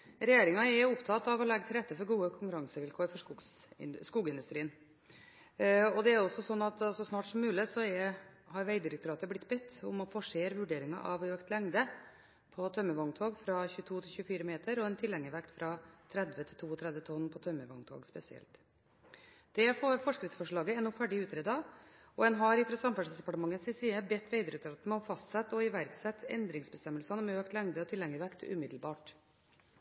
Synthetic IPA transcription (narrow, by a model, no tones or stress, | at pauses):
ɾɛjeːɾɪŋɑɛʊpt̪ʰɑt̪ːɑʋɔlɛɡːət̪ɪlɾɛt̪ːəfɔɾɡuːəkʰʊŋkʉɾɑŋsəʋɪlkʰoːɾfɔʂkʊɡsskuːɡɪnd̪ʉst̪ɾiːən | ɔd̪ɛæɾjʊɔsːɔsɔnːɑt̪sɔsnɑːʈsɔmːʉːlɪsɔɛ | hɑɾʋæɪd̪ɪɾɛk̚t̪ʊɾɑːt̪əblɪt̪ːbɛt̪ːʊ̰mɔfɔʂeːɾʋʉɖeːɾɪŋɑ̰ʔɑʋøːkt̪lɛŋd̪ə | pʰɔt̪ʰœmːəʋɑŋt̪ʰoːɡfɾɑçʉːt̪ʰuːt̪ʰɪlçʉːəfiːɾəmeːt̪əɾɔɛnt̪ʰɪlɛŋːəʋɛkt̪fɾʔɑt̪ʰɾɛd̪ʋət̪ʰɪlt̪ʰuːɔt̪ʰɾɛd̪ʋət̪ʰɔnpʰɔt̪ʰœmːəʋɑŋt̪ʰo̰ːɡspɛsɪɛ̰lt̪ | d̪̥ɛfoːɾfɔʂkɾɪt̪sfɔʂɭɑːɡəɛnːʊfæɖɪʉːt̪ɾeːd̪ɑ | ɔɛnɦɑɾɪfɾɑsɑmfæʂsd̪ɛpɑʈəmɑŋːənsɪsiːəbɛt̪ːʋeɪd̪əɾʉt̪ɾɑt̪mɔfɑst̪sɛt̪ːɔɪʋæɾksɛt̪ʰːɛ̰nd̪ɾɪŋsbəst̪ɛmːəlsɑnəmɛøːkt̪lɛŋd̪əɔt̪ʰɪlːɛŋːəɾʋɛkt̪ʰʉ̰mɪd̪lbɑːʈ